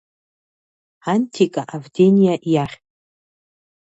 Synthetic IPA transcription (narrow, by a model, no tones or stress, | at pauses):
antʰikʼaʔavdenijaʔjaχʲʼ